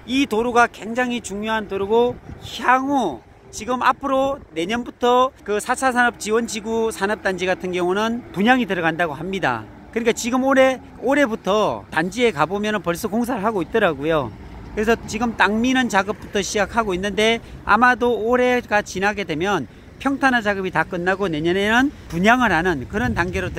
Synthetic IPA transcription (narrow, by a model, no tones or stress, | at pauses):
itoɾuɡakwe̞ŋd͡ʑaŋit͡ɕuŋɲoɦantoɾuɡoçaŋo | t͡ɕiɡɯma̰pʰɯɾone̞ɲʌnbutʰʌkɯsʰat͡ɕʰasʰanʌp̚t͡ɕiwʌnd͡ʑiɡusʰanʌp̚t͈and͡ʑiɡatʰɯnɡjʌŋunɯnpuɲaŋitɯɾʌɣandaɡohamɲida̰ | kɯnɲik͈at͡ɕiɡɯmoɾe̞ | oɾe̞butʰʌtand͡ʑie̞kabomjʌnɯnpʌɭs͈ʌkoŋs̬ʰaɾɯɭɦaɡoit̚t͈ʌɾaɡojo | kɯɾe̞s̬ʰʌt͡ɕiɡɯmt͈aŋminɯnt͡ɕaɡɯp̚p͈utʰʌɕʰid͡ʑakʰhaɡoinːɯnde̞a̰madoːɾe̞ɡat͡ɕinaɡe̞dwe̞mjʌn | pʰjʌŋtʰanɦant͡ɕaɡɯbitak͈ɯnːaɡone̞ɲʌne̞nɯnpuɲaŋɯɾanɯnkɯɾʌntaŋɡeɾotɯ